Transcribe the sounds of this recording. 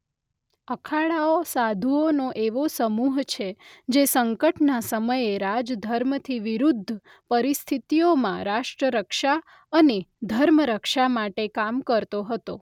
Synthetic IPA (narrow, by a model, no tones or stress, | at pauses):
əkʰaɭaosad̪ʱuonoʔeʋosəmuɦt͡ʃʰed͡ʒesəŋkəʈnasəməjeɾad͡ʒd̪ʱəɾmt̪ʰiʋiɾud̪ʱːə | pəɾist̪ʰit̪ijomãɾaʃʈɾəɾəkʃa | əned̪ʱəɾməɾəkʃamaʈekamkəɾt̪oɦət̪o